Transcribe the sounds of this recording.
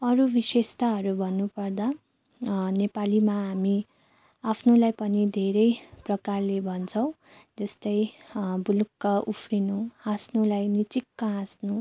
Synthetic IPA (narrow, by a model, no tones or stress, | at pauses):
ʌɾubisest̪aɦʌɾubʱʌnːupʌrd̪a | nepalimaɦami | apʰnulajpʌnid̪ʱeɾʌjprʌkarlebʱʌnt͡sʰʌ̃w̃ | d͡zʌst̪ʌjbulukːʌʔupʰrinũãsnulajnit͡sikːaɦãsnũ